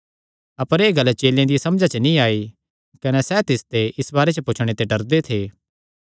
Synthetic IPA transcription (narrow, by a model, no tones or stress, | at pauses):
ɐpəɾeːɡɐlːt͡ʃeːljãd̪ijasɐmd͡ʒat͡ʃənĩaːi | kɐnesɛt̪ɪst̪eʔɪsbaːɾet͡ʃəpʊt͡ʃʰɽ̃et̪eɖɐɾd̪et̪ʰeː